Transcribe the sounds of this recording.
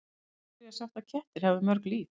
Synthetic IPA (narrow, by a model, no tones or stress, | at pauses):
asjawt̪aðcʰɛht̪ɪɾ̥hɛvʏmœɾkliːf